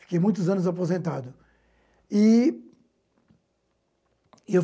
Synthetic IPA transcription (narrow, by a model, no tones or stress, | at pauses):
fi̥kejmũj̃t̪̬ʊzɐ̃nʊzapozẽnt̪ad̪ʊ | i | ew